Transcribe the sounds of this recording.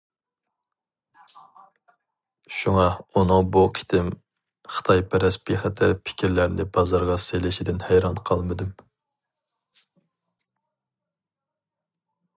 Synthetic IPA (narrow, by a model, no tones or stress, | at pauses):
ʃuŋɑunɨŋbuqʰi̥t̪ʰɪm | χə̥t̪ʰɑjpʰɛɾɛsbiχɛt̪ʰæɾpʰɪ̥kʲʰiɾlæɾnɪbɑzɑɾʁɑselɪʃid̪ɪnhæjɾɑnqʰɑlˠmɨd̪ɨm